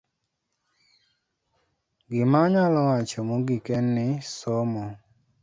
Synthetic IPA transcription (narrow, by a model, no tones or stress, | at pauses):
ɡɪmaɲalɔwat͡ʃɔmoɡɪkɛnːɪsɔmɔ